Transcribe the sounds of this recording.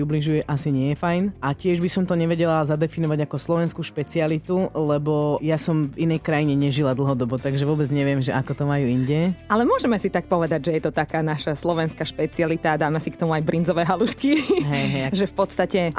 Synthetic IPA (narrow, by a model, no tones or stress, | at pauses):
ubliʒujɛʔasiɲɪɛjɛfajnacɪɛʒbisɔmt̪ɔɲɛʋɛɟɛlazad̪ɛfinɔʋaɟakɔslɔʋɛnskuːʃpɛt͡sialit̪ulɛbɔjasɔmvinɛjkɾajiɲɛɲɛʒilad̪l̩ɦɔd̪ɔbɔt̪aɡʒɛʋʊɔbɛd͡zɲɛʋɪɛmʒɛʔakɔt̪ɔmajuːiɲɟɛalɛmʊɔʒɛmɛsit̪ak̚pɔʋɛd̪aɟʒɛjɛt̪ɔt̪akaːnaʃaslɔʋɛnskaʃpɛt͡sialit̪ad̪aːmɛsikt̪ɔmuajbɾind͡zɔʋɛːɦaluʃkiɦɛjɦɛjʒɛfpɔt̪st̪acɛ